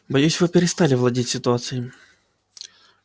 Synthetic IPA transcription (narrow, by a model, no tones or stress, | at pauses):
bɐjusʲvɨpʲɪɾʲɪst̪alʲɪvlˠɐdʲitʲsʲɪt̪ʊat̪sɨjɪ